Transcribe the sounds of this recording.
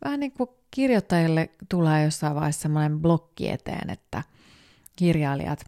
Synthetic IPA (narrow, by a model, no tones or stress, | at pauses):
ʋʔæhæniːŋku | kirjot̪ːɑjilːet̪uleːjosːɑiʋʋɑihest̪semːonemblokːḭḛt̪ḛːnḛt̪ːæ | kirjɑilḭɑ̰t̪